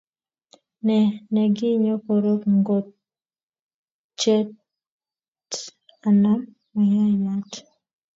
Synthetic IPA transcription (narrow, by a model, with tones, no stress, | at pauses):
nɛ˨nɛ˨ɡɪ˦ɲo˦ko˨ɾo˦kŋɡo˨t̚ | t͡ʃɛ˦ | a˨na˦m | a˨ɲa˦ja˦t